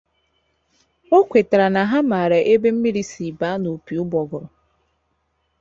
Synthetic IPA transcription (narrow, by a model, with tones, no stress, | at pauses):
o˦kʷe˨ta˨ɾa˨na˨ɦa˦ma˨ɾa˨ʔe˦be˦m̩˦mi˦ɾi˦si˨ba˦no˨pi˨ʊ˦bɔ˨ɡʊ˨ɾʊ˨